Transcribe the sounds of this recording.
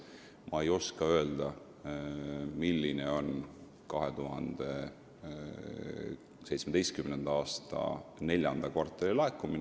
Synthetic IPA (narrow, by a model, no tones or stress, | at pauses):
mʔɑejo̞skɑø̞e̞ld̪ɑ | milːineo̞n | kɑɦe̞t̪uɦɑnd̪̥e̞ | se̞jt̪smed̪e̞jst̪̚kymnend̪̥ɑɑːst̪ɑ̰ne̞lʲjɑnd̪̥ɑkvɑrt̪ˑːeɾilɑekːˑumin